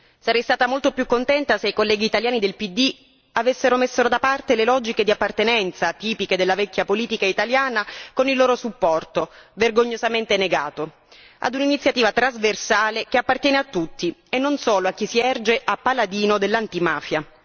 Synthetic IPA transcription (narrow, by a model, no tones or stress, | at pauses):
saɾɛjst̪aːt̪amolt̪opjukːont̪ɛnt̪aseikolːɛːɡiːt̪aljaːnid̪elpid̪ːi | avesːeɾomesːeɾod̪apart̪elelɔd͡ʒiked̪iapːart̪enɛnt̪sat̪iːpiked̪elːavɛkʲːjapoliːt̪ikait̪aljaːnakonilːoːɾosupːɔrt̪overɡoɲːozament̪eneɡaːt̪o | a̰d̪uninit̪sːjat̪iːvat̪ɾazversaːlekeapːart̪jɛːneat̪ːut̪ːienːonsoːloak̟ːisiɛrd͡ʒeʔapːalad̪iːnod̪elːant̪imaːfja